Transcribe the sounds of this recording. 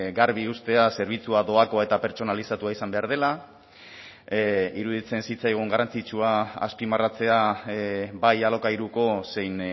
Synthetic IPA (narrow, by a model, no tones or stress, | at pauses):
ɡaɾβiust̪e̞ase̞ɾβ̞it͡suado̞ako̞e̞t̪ape̞ɾt͡so̞nalisat̪uaisambe̞aɾð̞e̞la | iɾuðit͡se̞nsit͡sajɣ̞uŋɡaɾant͡sit͡ʃuaa̰spimarat͡se̞a | bajalo̞kajɾuko̞se̞jn